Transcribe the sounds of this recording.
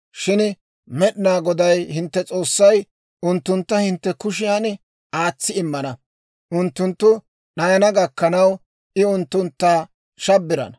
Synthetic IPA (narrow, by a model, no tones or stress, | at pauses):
ʃɪn | mɛɗɪnaːɡɔd̪ɐjhɪnt̪ːɛt͡sʼo̞ːsːɐj | ʔʊnt̪ːʊnt̪ːɐhɪnt̪ːɛkʊʃ̬ɪjan | aːt͡sːɪɪmːɐnɐ | ʔʊnt̪ːʊnt̪ːʊ | ɗɐjɐnɐɡɐkːɐnɐw | ʔɪʊnt̪ːʊnt̪ːaː | ʃɐbːɪɾɐ̰n